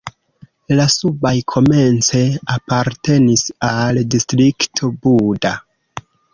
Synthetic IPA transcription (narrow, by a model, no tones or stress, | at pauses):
lasubajkʰo̞me̞nt͡se̞apaɾte̞nisaldistɾiktʰo̞buda